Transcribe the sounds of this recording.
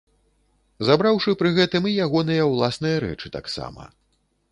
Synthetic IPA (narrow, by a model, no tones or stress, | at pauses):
zabɾawʂɨpɾɨɣɛt̪ɨmijaɣɔnɨjɐwlˠasnɨjɐɾɛ̰t͡ʂɨt̪a̰ksa̰mɐ̰